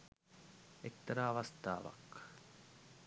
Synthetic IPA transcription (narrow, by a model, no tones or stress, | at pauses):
ek̚t̪ɐɾaːɐʋɐst̪a̰ːʋɐ̰k